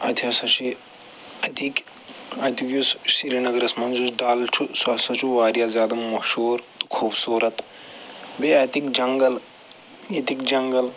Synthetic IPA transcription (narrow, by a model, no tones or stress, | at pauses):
ɐ̰t̪ʰɐsɐt͡ʃʰi | ɐt̪ʰik | ɐt̪ʰikjussiɾinɐɡɐɾɐsmɐnzusɖaːlt͡ʃʰusɐsɐt͡ʃʰuʋaːɾijazʲjaːd̪ɐmɐʃuːɾt̪kʰuːbsuːɾɐt̪ | beɐt̪ikd͡ʒɐŋɡɐl | ɐt̪ikd͡ʒɐŋɡɐl